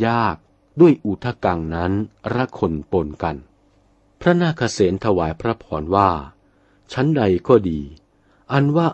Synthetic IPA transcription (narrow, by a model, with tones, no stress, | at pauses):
jaː˥˩k̚ | du˥˩əjʔu˨˩t̪ʰa˧˩ka˧ŋna˦˥nɾa˦˥kʰo˧npo˧nka˧n | pʰɾa˦˥naː˥˩kʰa˧seː˩˦nt̪ʰa˧waː˩˦jpʰɾa˦˥pʰɔː˩˦nwaː˥˩ | t͡ɕʰa˦˥nda˧jkɔː˥˩diː˧ | ʔa˧nwaː˥˩